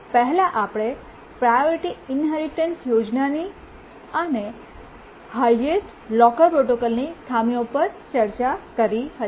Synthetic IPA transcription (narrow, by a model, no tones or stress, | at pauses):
pəɦlaʔapɽ̃e | pɾajoɾiʈiɪnɦɛɾiʈensjod͡ʒnani | əne | hajesʈ | lɔkəlpɾoʈokəlnit̪ʰamiõpəɾt͡ʃəɾt͡ʃakəɾiɦət̪